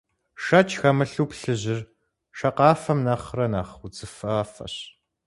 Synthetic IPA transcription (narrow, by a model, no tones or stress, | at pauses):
ʃɐt͡ʃʰxɐmɨɬuːpɬɨʑɪr | ʃɐqɑːfɐmnaχrɐnaːχʊd͡zɨfɐfɐ̰ɕ